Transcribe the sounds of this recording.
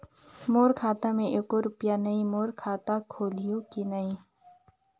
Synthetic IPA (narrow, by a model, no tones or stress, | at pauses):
moːɾkʰaːt̪amẽʔeːkoɾʊpjanɐĩmoːɾkʰaːt̪akʰoːlijõkinəĩ